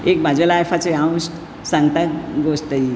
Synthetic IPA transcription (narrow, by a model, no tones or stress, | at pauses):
eːkm̤ad͡ʑʱalajfʰat͡seãw̃s | sãŋɡt̪akɡost̪əi